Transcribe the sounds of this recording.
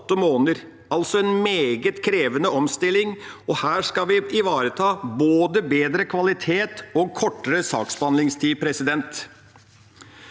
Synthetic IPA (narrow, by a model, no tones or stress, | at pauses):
t̪ːəmoːnəɾ | ɑlsɔɛnmeːɡət̪kʰɾeːʋənəɔmst̪ɪlɪŋɔhæːʂkɑʋɪɪʋɑːɾət̪ʰɑːboːd̪əbeːd̪ɾəkʰʋɑlɪt̪ʰeːt̪ɔkʰɔʈːəɾəsɑ̰ːksbɑnlɪŋst̪ʰiːpʰɾɛsɪd̪ɛnt̪